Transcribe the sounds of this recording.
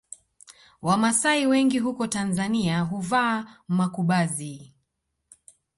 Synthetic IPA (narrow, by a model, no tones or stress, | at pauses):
wamasaiwɛŋɡiɦukɔtanzaniaɦuvaːmakuɓazi